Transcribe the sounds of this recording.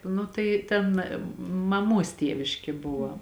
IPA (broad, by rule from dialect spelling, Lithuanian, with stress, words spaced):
ˈnʊ tɐɪ ˈtʲɛn mɐˈmuɔs ˈtʲiɛʋʲɪʃʲkʲɪ ˈbʊʋɐ